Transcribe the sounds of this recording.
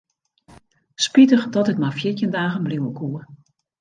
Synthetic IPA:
spitəχdɔtətmafjɪtjəndaːɣənbliwəkʰuə

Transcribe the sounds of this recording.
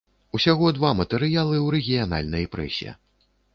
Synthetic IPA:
usʲaɣɔd̪vamɐt̪ɛɾɨjalˠɨwɾɛɣʲijana̰lʲnɐjpɾɛ̰sʲiɐ̰

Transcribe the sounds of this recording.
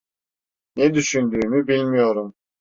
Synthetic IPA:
ned̪yʃynd̪yːmybilʲmijo̞ɾum

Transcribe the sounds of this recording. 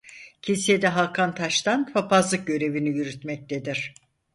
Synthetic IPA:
cʰisijed̪ɛɦalˠkʰant̪ʰaʃt̪ʰanfapazlˠɯk̚ɟø̞ɾe̞vinijyɾyt̪mɛc̚t̪ʰed̪iɾ̥

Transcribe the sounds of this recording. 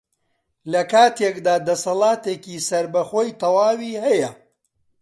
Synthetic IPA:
lɐkaːt̪ʰekd̪aːd̪ɐsɐlˠɑːt̪eːkiːsɐɾbɐχoːjt̪ɐwaːwiːhɛjɐ

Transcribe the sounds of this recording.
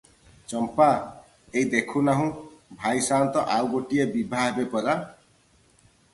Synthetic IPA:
t͡ʃɔmpa | ejd̪ekʰunaɦũbʱajsant̪ɔʔawɡoʈiebibʱaɦbepɔɾa

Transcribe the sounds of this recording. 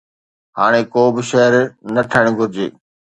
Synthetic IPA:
ɦaːɽ̃ekoːbɪʃəɦəɾnəʈʰəɽ̃ɡʱʊɾɪd͡ʑḛː

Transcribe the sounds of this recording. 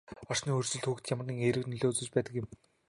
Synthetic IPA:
ɔr̥sniːɵrsɵ̆ɮt̪xuːxt̪jamə̆rniːŋeɾɘ̆kniɮoːt͡sɵ̆t͡ɕpæːt̪ə̆kjɪ̆m

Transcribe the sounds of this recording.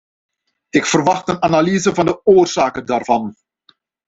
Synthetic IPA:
ɪkfərʋɑxtənanaliːzəvɑndəoːrzaːkədaːrvɑn

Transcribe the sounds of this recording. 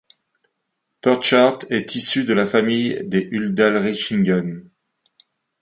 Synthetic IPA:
pœʁʃaʁt̪ɛt̪ʰisyd̪əlafamijd̪eʔyld̪alʁiʃiŋɡɔn

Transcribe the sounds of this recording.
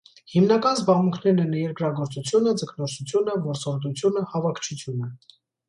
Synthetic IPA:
himnɑkɑnzbɑʁmuŋkʰnɛɾnɛnjɛɾkɾɑɡɔɾt͡sut͡sʰjunəd͡zəkʰnɔɾsut͡sʰjunəvɔɾt͡sɔɾd̪ut͡sʰjunəhɑvɑkʰt͡ʃʰut͡sʰjunə

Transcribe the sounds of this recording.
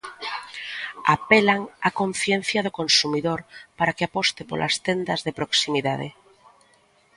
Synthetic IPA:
a̰pelaŋakõɱθjen̟θjaðokonsumiðoɾpaɾakeapost̪epo̰lʔa̰st̪end̪azðepɾoksimiðaðḛ

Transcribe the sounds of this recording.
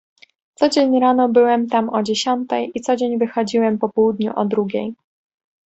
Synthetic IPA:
t̪sɔd͡ʑeɲɾanɔbɘwɛmt̪amɔd͡ʑeɕɔnt̪ɛjit̪sɔd͡ʑeɲvɘxɔd͡ʑiwɛmpɔpɔwud̪ɲṵʔɔd̪ɾuɡʲḛj

